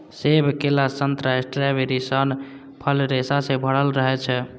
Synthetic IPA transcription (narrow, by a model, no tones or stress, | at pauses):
sebʱkelasənt̪ɾasʈɾebeɾisən | pʰəlɾesasebʱəɽ̤əlɾəɦɛt͡ʃʰɛ